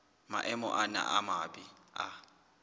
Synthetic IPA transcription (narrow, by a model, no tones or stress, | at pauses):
ma̰ʔɛmɔ̰ʔana̰ʔamabia